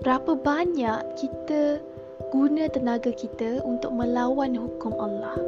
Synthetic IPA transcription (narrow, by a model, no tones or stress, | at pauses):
bəɾapəbaɲaʔkit̪ə | ɡ̥unə̃t̪ənaɡakit̪əunt̪ʊk̚mə̃lawanɦukʊmalːah